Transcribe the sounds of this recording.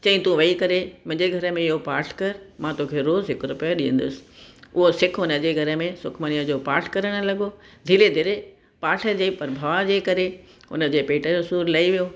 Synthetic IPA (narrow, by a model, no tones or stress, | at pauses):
t͡ɕɐ̃ĩt̪ũʋɐikɐɾemʊ̃ɦɪ̃ɲd͡ʑeɡʱɐɾə̆mẽɪɦopaːɾʈʰkɐɾmãt̪oːkʰeɾoːzɦɪkɾʊpijaɗiɦə̃nd̪ʊsɪ̥̆ʊɦosɪkʰʊnə̆d͡ʑeːɡʱɐɾə̆mẽsʊkʰməniəd͡ʑoːpaːɾʈʰkɐɾəɽ̃ʊ̆lɐɠo | d̪ʱiːled̪ʱɪɾe | paːʈʰə̆d͡ʑeːpɐɾbʱaʋad͡ʑeːkɐɾe | ʊ̰nə̆d͡ʑeːpeːʈəʊsuːɾlɐiʋijoː